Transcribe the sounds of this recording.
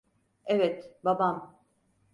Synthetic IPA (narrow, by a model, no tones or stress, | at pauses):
ɛvɛt̪babam